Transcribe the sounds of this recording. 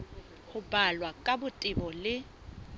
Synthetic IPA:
hʊbalwakʼabʊtʼɪbɔlɪ

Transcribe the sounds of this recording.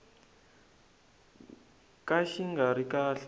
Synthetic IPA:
kaʃiŋɡaɾikaːɬ

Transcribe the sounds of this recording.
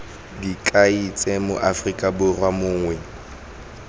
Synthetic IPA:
dikʼait͡sʼɛmʊ̰ʔafrikʼabʊrwamʊːŋwɛ

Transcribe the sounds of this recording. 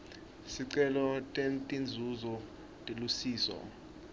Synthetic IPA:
siǀɛlɔtʼentʼind͡zʱuzɔ | tʼelusiːsɔ̰

